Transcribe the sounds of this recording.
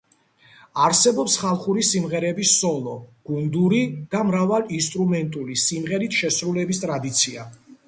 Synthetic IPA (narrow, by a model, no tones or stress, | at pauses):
aɾsɛbɔpsχalˠχuɾisimʁɛɾɛbisɔlˠɔɡ̥und̪uɾid̪̥amɾavalinst̪ʼɾumɛnt̪ʼulisimʁɛɾit̪ʰʃɛsɾulɛbist̪ʼɾad̪it̪sʰia